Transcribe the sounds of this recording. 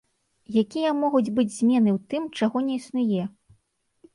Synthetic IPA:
jakʲijɐmɔɣud͡zʲbɨd͡zʲzʲmʲɛnɨwt̪ɨmt͡ʂaɣɔnʲɛisnujɛ

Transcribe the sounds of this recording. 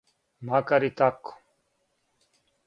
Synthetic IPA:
makɐɾit̪ak

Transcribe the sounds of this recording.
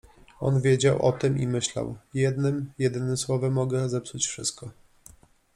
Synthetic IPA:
ɔnvʲjed͡ʑawʔɔ̰t̪ɘmimɘɕla̰wjɛd̪nɘmjɛd̪ɘnɘswɔvɛmːɔɡɛzɛpsut͡ɕfʂɘ̰st̪̚kɔ

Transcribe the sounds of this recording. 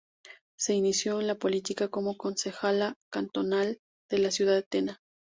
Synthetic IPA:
se̞inisjo̞enlapo̞lit̪ikako̞mo̞ko̞nse̞xalakant̪o̞nal | d̪̥e̞lasjuð̞aðet̪ena

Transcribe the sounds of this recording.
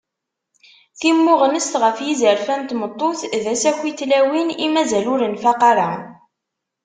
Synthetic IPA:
θimːʊʁənəst̪ʁəfjizəɾfænt̪mət̪ˤːoθðæsækʷːiθlæwinimæzælʊɾənfɑqɑɾˤa̰

